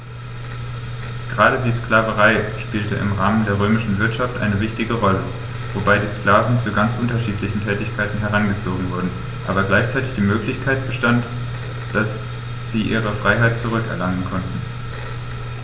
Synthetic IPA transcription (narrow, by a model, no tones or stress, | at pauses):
ɡ̥əʁaːɾədiːsklaːvəʁaɪʃpiːltəʔɪ̰mʁaːməndeːɐʁøːmɪʃn̩vɪɐtʃaftʔa̰ɪnəvɪçtɪɡəʁɔlə | v̥obaɪdiːsklaːvn̩t͡suɡant͡sʔʊntɐʃiːtʰlɪçn̩tʰɛːtɪçkʰaɪtn̩ɦɛʁanɡət͡soːɡŋ̩vʊɐdn̩ | ʔaːbɐɡlaɪçt͡saɪtɪ̥çd̥iːmøːklɪçkʰaɪt̚b̥əʃtant | d̥as | z̥iːʔḭːʁ̞əfʁ̥aɪɦaɪt̚t͡suʁ̞ʏkɛ̰ɐlaŋənkʰɔntn̩